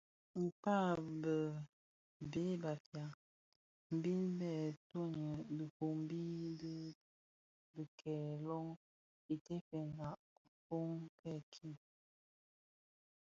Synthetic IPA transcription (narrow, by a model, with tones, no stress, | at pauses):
m̩˨pa˦˨bə˨ | be˦ba˨fja˨ | m̩˨bi˦nbɛ˦˨to˦ɲə˨bə˨ko˨m˦bi˦də˦ | bə˨kʰɛ˨lɔ˦ŋ | i˨te˦fɛ˨na˨ʔ | fo˦ŋkɛ˦˨kʰi˦˨n